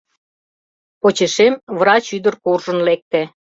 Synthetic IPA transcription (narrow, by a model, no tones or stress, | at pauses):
pot͡ɕeʃemvrɑt͡ɕyd̪ərkurʒə̆nlek̚t̪ĕ